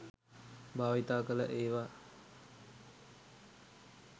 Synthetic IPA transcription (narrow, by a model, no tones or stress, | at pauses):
bʱaːʋit̪aːkələʔeːʋa